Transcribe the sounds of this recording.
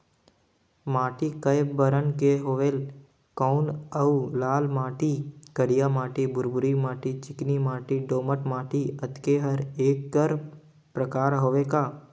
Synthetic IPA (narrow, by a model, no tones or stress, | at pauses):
maːʈikəjbəɾənkeɦoːʋeːl | kɔnəulaːlmaːʈikəɽijamaːʈibʊɾbʊɾimaːʈit͡ʃɪknimaːʈiɖoːməʈmaːʈiɐt̪keɦɐɾeːkːəɾ | pɾɐkaːɾɦoːʋekaː